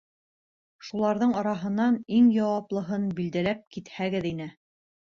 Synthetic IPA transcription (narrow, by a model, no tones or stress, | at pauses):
ʃulˠɑɾðɤɴɑɾɑɦɤ̆nːɑniŋjɑwɑplˠɤ̆ɦɤnbild̪ælæp̚kit̪hæɡɘðinɘ